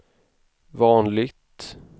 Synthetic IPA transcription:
vɑːnlɪɡt̪

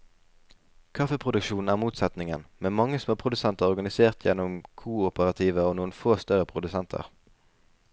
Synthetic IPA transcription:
kʰɑfəpʰʁʊd̪ʉkʃuːn̩æːʁmuːt̪sɛt̪nɪŋə̰nmeːmɑŋːəsɔmoːpʰʁʊd̪ʉsɛnt̪əʁɔʁɡɑnɪseːʁt̪ʰjɛ̰nːɔmkʰuːʊpəʁɑt̪ʰiːʋəoːnuːənfoːst̪œʁəpʰʁʊd̪ʉsɛnt̪ʰə̰ʁ

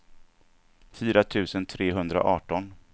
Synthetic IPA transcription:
fiːɾat̪ʰʉ̟ːsənt̪ʰɾeːɦɵnd̪ɾa̰ʔɑːʈɔn

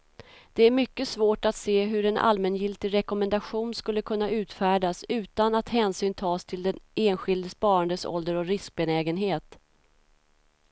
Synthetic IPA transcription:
d̪̥ɛæɾmʏkːəsvoːʈat̪seːɦɵɾɛnʔa̰lmɛnjɪlt̪ɪɡɾɛkɔmɛnd̪aɧuːnskɵlːəkʰɵnːaʉ̟ːt̪fæːɖasʉ̟ːt̪anat̪hɛːnsyːnt̪ʰɑːst̪ʰɪld̪ɛneːnɧɪld̪əspɑːɾand̪əsɔ̰ld̪əɾɔɾɪsk̚bɛnɛːɡənɦeːt̪

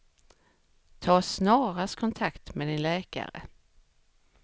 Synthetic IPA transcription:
t̪ʰɑːsnɑːɾast̪kʰɔnt̪ʰakt̪mɛd̪ɪnlɛːka̰ɾə̰

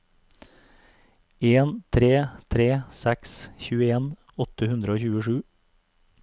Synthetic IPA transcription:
eːnt̪ʰɾeːt̪ʰɾeːsæksçʉːəeːn | ɔt̪əhʉnd̪ɾəoːçʉːəʃʉː

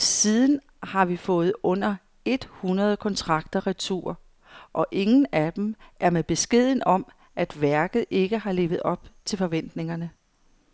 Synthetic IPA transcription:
siːð̞ˠn̩ | hɑ̈ʋifɔ̽ːð̞̩ˠɔ̽n̰ɐ | e̝d̥hunɐð̞ˠkʰɒ̽nt͡sʰʁɑ̈ɡ̥̚d̥ɐʁit͡sʰṵːɐ | ʔɒ̽ʔe̝ŋn̩æd̥emʔæɐmeb̥e̝sɡ̥e̝ð̞̰ˠn̩ɒ̽m | ʔæd̥ʋæɐɡ̥ð̞̩ˠʔe̝ɡ̥əɦɑ̈le̝̰ːʋð̩ˠɒ̽b̥̚t͡sʰe̝lfɒ̽ʋen̰d̥ne̝ŋɐnə

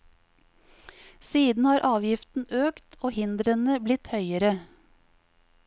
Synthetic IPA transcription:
siːd̪n̩hɑːɾʔɑːʋjɪft̪n̩ʔøːkt̪ʰoːhɪnd̪ɾənəblɪt̪hœʏəɾə

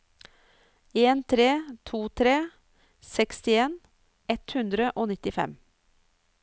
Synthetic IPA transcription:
eːnt̪ʰɾeːt̪ʰuːt̪ʰɾeː | sɛkst̪ɪeːn | ɛt̪hʉnd̪ɾəʔoːnɪt̪ɪfɛ̰m

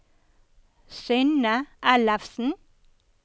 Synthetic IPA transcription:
sʏnəʔælɑfsn̩

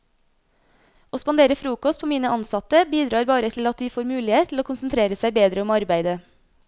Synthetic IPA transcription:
ʔoːspɑnd̪eːɾəfɾuːkɔst̪pʰoːmiːnəʔɑnsɑt̪əbiːd̪ɾɑːɾbɑːɾət̪ʰl̩ɑt̪̚d̪iːfoːɾmʉːlɪheːt̪ʰl̩oːkʰʊnsnt̪ʰɾeːɾəsæɪbeːd̪ɾəɔmɑɾbæɪd̪ə

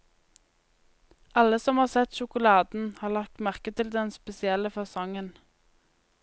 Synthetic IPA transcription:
ʔɑləsɔmhɑːsɛt̪ʃʊkʊlɑːd̪n̩hɑːʁlɑk̚t̪mæʁkət̪ʰɪld̪ɛnspɛsɪɛləfɑsɔŋən

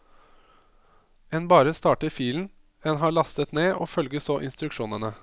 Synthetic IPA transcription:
ɛnbɑːɾəst̪ɑːʈəfiːln̩ | ɛnɦɑːɭɑst̪ət̪neːʔoːfœlɡəsoːʔɪnst̪ɾʉkʃuːnənə

